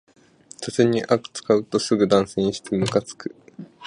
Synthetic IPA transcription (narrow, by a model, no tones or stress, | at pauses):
t̪ozeɲ̟ːiʔakɯ̟̥t͡sɨ̥kaɯ̟t̪o̞sɨɡɯ̟d̪ãɰ̃sẽ̞ɰ̃ɕi̥t̪emɯ̟kat͡sɨ̥kɯ̟̥